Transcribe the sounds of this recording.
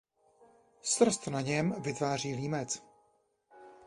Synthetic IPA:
st̪r̩st̪naɲɛmvɪt̪vaːr̝iːliːmɛt͡s

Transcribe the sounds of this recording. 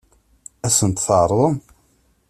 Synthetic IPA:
æsənt̪θʕəɾˤðˤəm

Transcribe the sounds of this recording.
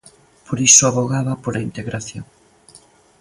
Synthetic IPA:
poɾisoaβoɣaβɐpoɾaint̪eɣɾaθjoŋ

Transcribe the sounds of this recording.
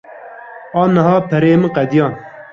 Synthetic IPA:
ɑːnɐɦɑːpʰɐɾeːmɨqɛd̪ijɑːn

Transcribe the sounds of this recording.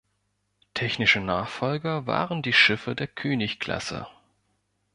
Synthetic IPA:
tʰɛçnɪʃənaːχfɔlɡɐva̰ːʁəndiːʃɪfədeːɐkʰøːnɪçkl̥a̰sə̰

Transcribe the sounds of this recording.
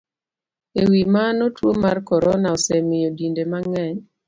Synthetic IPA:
ewimanotwomarkɔɾɔnaɔsɛmɪodindemaŋɛɲ

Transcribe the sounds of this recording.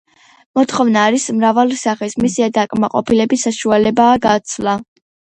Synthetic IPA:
mɔt̪ʰχɔvnaːɾismɾavalisaχɛsmisiad̪akʼmaqʼɔpʰilɛbisaʃualɛbaːɡat̪sʰlˠa

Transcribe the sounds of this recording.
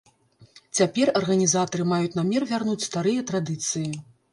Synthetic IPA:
t͡sʲapʲɛrɐrɣɐnʲizat̪ɐɾɨmajut͡sʲnamʲɛrvʲarnut͡sʲst̪aɾɨjɐt̪ɾad̪ɨt̪sɨji

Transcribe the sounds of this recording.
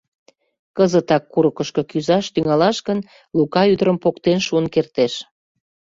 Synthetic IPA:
kəzət̪ɑkːuɾəkəʃkɤkyzɑʃt̪yŋɑlɑʃɡən | lukɑyd̪əɾəmpokt̪enʃuənkert̪eʃ

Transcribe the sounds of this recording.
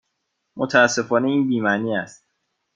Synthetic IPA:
mot̪ʰææsːe̞fɒːneiːnbiːmæniːæst̪

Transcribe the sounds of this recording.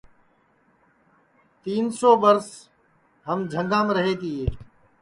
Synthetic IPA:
t̪iːnsoːɓəɾs | ɦəmd͡ʒʱə̃ŋɡãːmɾəɦeːt̪iːeː

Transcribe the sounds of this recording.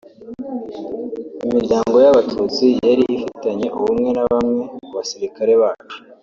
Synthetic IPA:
imiɾɟaːŋɡo̞jaβatʰuːt͡sijaɾiʔːfitaɲe̞ʔuβumŋe̞naβamŋe̞uβasiɾikaɾe̞βaːt͡ʃu̥

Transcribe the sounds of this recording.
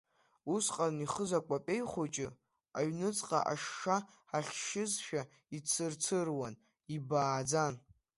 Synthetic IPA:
usqʼaniχəzakʷʼapʲʼe̞jχʷot͡ʃʼɪ | aɥnɨt͡sʼqʼa̰ʔaʂːa | aχʲʃɪzʃᶣa | it͡sʰɨrt͡sʰɨrwan | ibaːd͡zan

